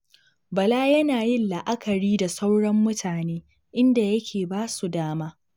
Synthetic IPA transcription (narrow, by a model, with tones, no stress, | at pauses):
bɐ˨laː˦jɐ˦naː˨jɪ˦nla˨ʔa˦kʰɐ˨ɽiː˦da˨sa˦wɽɔ˦mːʊ˦tʰaː˨neː˦ | ʔɪ˦nda˨jɐ˦kʲʰeː˨baː˦su˨daː˦maː˦